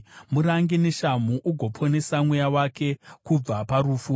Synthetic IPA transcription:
muɾaŋɡene̞ʃamuʔuɡʱo̞pʰo̞ne̞samwejawake̞kub͡vapaɾufu

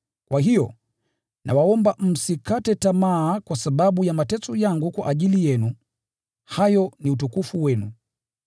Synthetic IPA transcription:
kwaɦijɔ̰ | nʔa̰waɔmbam̩sikatɛtamaːkwasaɓaɓujamatɛt͡sɔjaŋɡukwa̰ʔaʄilijɛnu | hajɔniut̬ukufuwɛnṵ

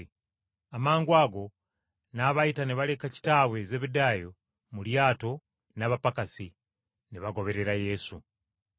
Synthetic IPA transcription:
amaːŋɡwaːɡo̞ | naβajitaneβale̞kaci̥taːwe̞zeːβidaːjo | muljaːto̞ | naβapakasi | niβaɡo̞βe̞ɾe̞ɾaje̞su

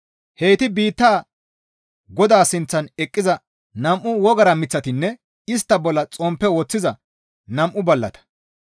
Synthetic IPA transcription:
he̞ːt̪ɪbiːt̪ːaː | ɡɔd̪aːsɪnt͡sːɐnɛkʼːɪzɐ | nɐmʔʊwɔɡɐɾɐmɪt͡sːɐt̪ɪnːɛ | ɪs̬t̪ːɐbɔlːɐt͡sʼɔmpːɛwɔt͡sːɪzɐ | nɐmʔʊbɐlːɐ̰t̪ɐ̥

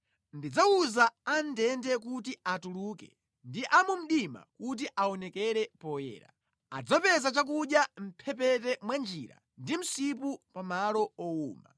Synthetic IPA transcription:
ndid͡zauzaandɛndɛkut̬iatuluːkɛ̰ | ndiʔamum̩ɗima̰kut̬iʔaɔnɛkɛɾɛpɔjɛ̰ːɾa̰ | a̰d͡zapɛzat͡ʃak̬uɗjam̩pʰɛpɛtɛmwand͡ʒiɾa̰ | ndim̩sipupamalɔɔuːma̰

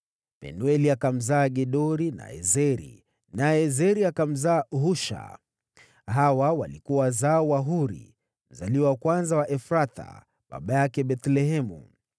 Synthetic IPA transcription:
pɛ̰nuɛliakam̩zaːɡɛɗɔɾina̰ɛ̰zɛɾḭ | naɛzɛɾiakam̩zaːɦuʃa̰ | ɦawawalikuwazawaɦuɾḭ | m̩zaliwawkwanzawaʔɛfɾat̪a̰ | ɓa̰ɓajakɛɓɛt̪lɛɦɛmṵ

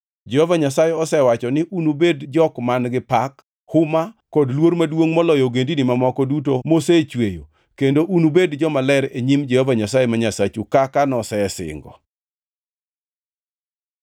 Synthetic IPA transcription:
d͡ʒɛhɔvaɲasajeɔsɛwat͡ʃɔnɪʔunubedd͡ʒɔkmanɡɪpak | hʊmakːɔdlwoɾmadwoŋmɔlɔjɔɡendinɪmamɔkɔdutomoset͡ʃwejo̰ | kendoʔunubedd͡ʒɔmalɛɾeɲimd͡ʒɛhɔvaɲasajemaɲasat͡ʃukakanɔsɛɛsɪ̰ŋɡɔ̰

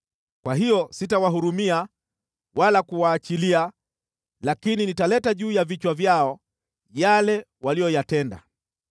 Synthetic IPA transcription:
kwaɦijɔsitawaɦuɾumia | wʔalakuwaːt͡ʃilia | lakininitalɛtaʄuːjavit͡ʃwavjaɔ | jalɛ | walijɔjatɛnda̰

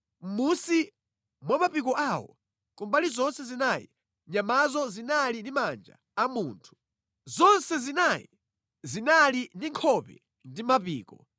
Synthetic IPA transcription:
m̩musi | mwamapikɔʔawɔ̰ | kumbalizɔnsɛzinajḭ | ɲamazɔzinalindimand͡ʒa̰ːmuːntʰu̥ | zɔnsɛzinajḭ | zinalindiŋkʰɔpɛ̰ | ndimapḭːkɔ

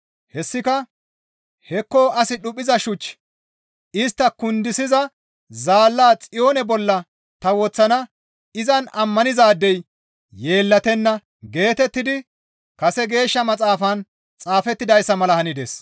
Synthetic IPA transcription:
hɛsːɪkɐ | hɛkːo̞ːʔɐsɪɗʊpʼːɪzɐʃʊt͡ʃː | ɪst̪ːɐkʊnd̪ɪsɪzɐ | zaːlːaːt͡sʼɪjoːnɛbɔlːɐ | t̪ɐwɔt͡sːɐnɐ | ɪzɐnɐmːɐnɪzaːd̪ːɛj | je̞ːlːɐt̪ɛnːɐ | ɡe̞ːt̪ɛt̪ːɪd̪ɪ | kɐsɛɡe̞ːʃːɐmɐt͡sʼaːfɐn | t͡sʼaːfɛt̪ːɪd̪ɐjsːɐmɐlɐhɐnɪd̪ḛs

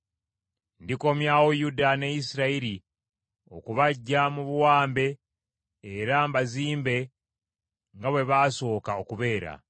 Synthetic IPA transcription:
ndiko̞mjaːwojudanejisiɾaiɾi | o̞̰kuβaɟːamuβuwaːmbe̞ː | ɾambaziːmbe̞ | ŋɡaβwe̞βaːso̞ːkao̞kuβe̞ːɾa̰

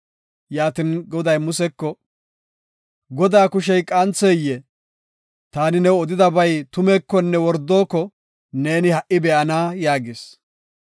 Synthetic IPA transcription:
jaːt̪ɪnɡɔd̪ɐjmʊsɛkːɔ | ɡɔd̪aːkʊʃɛjkʼɐnt͡seːjːɛ | t̪aːnɪnɛɔd̪ɪd̪ɐbɐjt̪ʊmɛːkːɔnːɛwɔɾd̪o̞ːkːɔ | neːnɪhɐʔɪbɛʔɐnaːjaːɡɪs

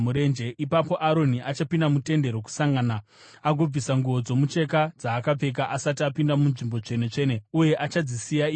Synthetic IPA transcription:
uɾe̞nd͡ʒe̞ʔipapo̞ʔaɾo̞niʔat͡ʃapindamute̞nde̞ɾo̞ku̥saŋɡana | aɡʱo̞b͡visaŋɡuʋo̞d͡zo̞mut͡ʃe̞kad͡zaːkap͡fe̞k̬aʔasat̬iapindamunʐimbo̞t͡ʂe̞net͡ʂe̞ne̞uje̞ʔat͡ʃad͡zisijai

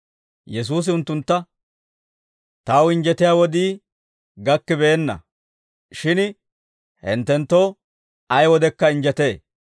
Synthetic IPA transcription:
jɛs̬uːs̬ɪʊnt̪ːʊnt̪ːɐ | t̪ɐwɪɲd͡ʒɛt̪ɪjaːwɔd̪iː | ɡɐkːɪbe̞ːnːɐ̰ | ʃɪn | hɛ̰nt̪ːɛnt̪ːoː | ɐjwɔd̪ɛkːɐɪnd͡ʒɛt̪eː

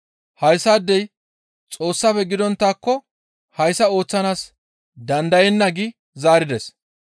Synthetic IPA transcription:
hɐjsaːd̪ːɛj | t͡sʼo̞ːsːaːfɛɡɪd̪ɔnt̪ːaːkːɔ | hɐjsɐo̞ːt͡sːɐnaːs | d̪ɐnd̪ɐjɛnːɐɡɪ | zaːɾɪd̪ɛs

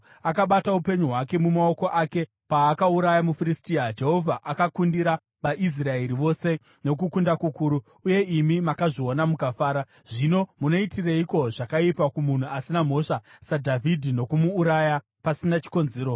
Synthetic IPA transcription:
akaɓataupe̞ɲuɦwake̞mumao̞ko̞ʔake̞ | paːkauɾajamufiɾistiːad͡ʒe̞ɦo̞vʱaʔakakundiɾa | ʋaʔis̬rae̞ɾiʋo̞se̞ | no̞kukundakukuːɾu | uje̞ʔimimakaʐio̞namukafaːɾa | ʐ̥ino̞muno̞itireiko̞ʐakaipakumun̤uasinam̤o̞ʂasadʱavʱidʱino̞kumuːɾaja | pasinat͡ʃi̥ko̞nze̞ːɾo

